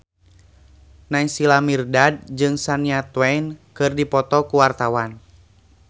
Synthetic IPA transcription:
naisilamirdad̚d͡ʒɨŋsaniat̪wɛnkɨrdipɔt̪ɔkuwart̪awan

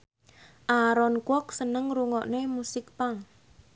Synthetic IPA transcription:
ʔaɾɔnkwɔk̚sənəŋɾuŋɔʔnemusɪk̚paŋ

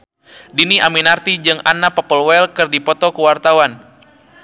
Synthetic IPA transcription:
diniʔaminart̪id͡ʒɨŋa̰napɔpəlwɛlkɨrdipɔt̪ɔkuwart̪awan

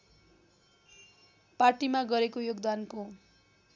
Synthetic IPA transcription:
parʈimaɡʌɾekojoɡd̪anko

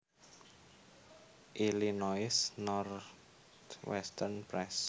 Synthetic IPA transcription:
ʔilinɔɪsnɔr | t̪wɛ̰st̪ərnpɾɛs

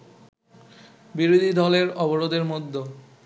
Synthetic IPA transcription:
biɾod̪ʱid̪ɔleɾɔboɾod̪eɾmod̪ʱːo

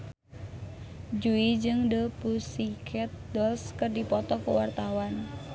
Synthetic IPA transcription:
d͡ʒuid͡ʒɨŋdəpusikʰɛt̪̚dɔlskɨrdipɔt̪ɔkəwart̪awan

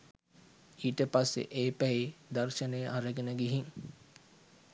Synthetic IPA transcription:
iːʈəpasːḛʔeːpæid̪ərʃənejəʔaɾəɡenəɡiɦiŋ

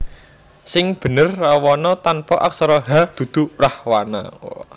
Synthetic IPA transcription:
sɪŋb̥ə̤nərːawɔnɔt̪anpɔʔak̚sɔɾɔɦad̪̥ṳd̪̥ṳrahwana̰

